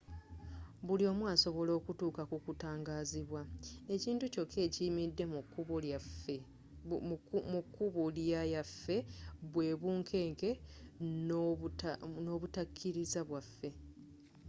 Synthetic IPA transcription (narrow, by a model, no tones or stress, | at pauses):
βulio̞ːmwaːso̞βo̞lo̞ːkutuːkakukutaːŋɡaːziβwae̞ciːntuco̞kʰːe̞ːcimidːe̞mukːuβo | mukːuβuljajafːe̞βwe̞ːβuːŋkʰe̞ːŋke̞ | no̞ːβutakʰːiɾizaβwafːe̞